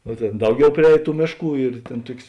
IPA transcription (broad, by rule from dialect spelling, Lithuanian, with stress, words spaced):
noː ˈtʲeːn ˈdɐʊˌɡʲɛʊ pʲrʲɪˈɛːj ˈtuː ˈmʲeːʃˌkuː ɪr ˈtʲeːn ˈtuɔkʲsʲ